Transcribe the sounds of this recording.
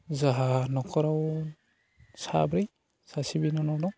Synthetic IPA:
zaɦanɔkʰɔɾaw | sa̰bɾij | sasibinɔnɔdɔ

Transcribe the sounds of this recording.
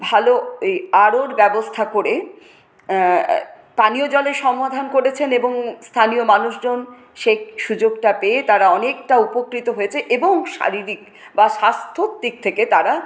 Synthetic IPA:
bʱalojaɾoɾbɛbost̪ʰakoɾe | paniod͡ʑɔleɾʃɔmad̪ʱankoɾet͡ɕʰeneboŋst̪ʰaniomanuʃd͡ʑon | ʃek̚ʰʃud͡ʑoɡʈapeːt̪aɾaɔnek̚ʈaupokɾit̪oɦoet͡ɕʰeʔeboŋʃa̰ɾiɾik̚ | baʃast̪ʰot̪ːik̚t̪ʰeket̪aɾa

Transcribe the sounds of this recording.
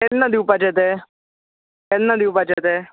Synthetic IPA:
ɛlnãːd̪iːʊpːat͡ʃɛt̪ɛː | ɛlnãːd̪iːʊpaːt͡ʃɛːt̪ɛː

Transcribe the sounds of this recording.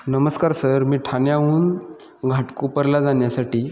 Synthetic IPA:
nəməskaɾsəɾmiːʈʰanjauːn | ɡʱaʈkupəɾlad͡zaɳjasaʈiː

